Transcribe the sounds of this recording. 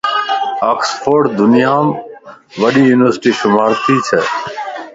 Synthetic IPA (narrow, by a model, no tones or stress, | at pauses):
aːksfʰoːɖd̪ʊnɪjaːm | ʋəɗiːjuːnɪʋəɾsʈiːʃʊmaːɾt̪iːt͡ʃʰɛː